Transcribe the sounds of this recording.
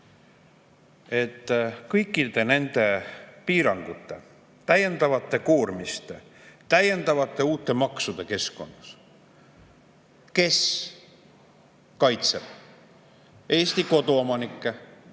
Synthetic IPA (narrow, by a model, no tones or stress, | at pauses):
e̞t̪ːˑkɤjkːˑid̪e̞ne̞nd̪̥e̞piːɾɑŋɡ̥ut̪ːˑe̞̰ | t̪æje̞nd̪̥ɑvɑt̪ːˑe̞kuːrmist̪et̪æje̞nd̪̥ɑvɑt̪ːˑe̞uːt̪ːˑe̞mɑksud̪̥e̞ke̞sko̞nːɑs | ke̞s | kɑjt̪seb̥ | e̞ːst̪iko̞d̪uomɑnikːˑe